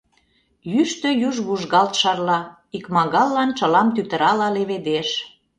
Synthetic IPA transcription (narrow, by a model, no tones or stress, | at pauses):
jyʃt̪ø̆juʒβuʒɣɑlt̪ʃɑrlɑ | ikmɑɣɑlːɑnt͡ʃə̆lɑmt̪yt̪ə̆ɾɑlɑleβed̪eʃ